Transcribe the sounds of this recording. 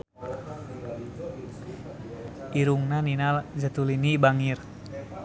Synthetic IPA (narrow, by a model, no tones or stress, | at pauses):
ʔiɾuŋnaninald͡ʒət̪ulinibaŋir